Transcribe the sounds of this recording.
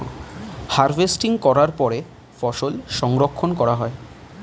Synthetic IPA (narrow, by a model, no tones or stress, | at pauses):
haɾvesʈiŋkɔɾaɾpɔɾe | fɔʃolʃɔŋɾokʰːonkɔɾaɦɔe